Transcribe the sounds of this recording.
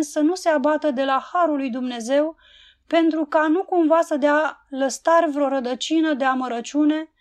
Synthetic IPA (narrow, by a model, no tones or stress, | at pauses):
sənuse̞abat̪əd̪e̞lahaɾulːujd̪umne̞ze̞w | pe̞nt̪ɾukanukumvasəd̪ealəst̪arʲvɾo̞ɾəd̪ət͡ʃinəd̪e̞aməɾət͡ʃʲune̞